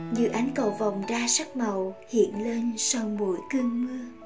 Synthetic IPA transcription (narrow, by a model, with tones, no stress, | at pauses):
zɨ̰˧˨˩ʔa˨˦jŋ̟kə˧˩wva˨˩wŋ͡mzaː˧sa˦˥k̚mə˨˩whḭ˧˨ənle˧nsa˧wmu˧˩əjkɨ˧əŋmɨ˧ə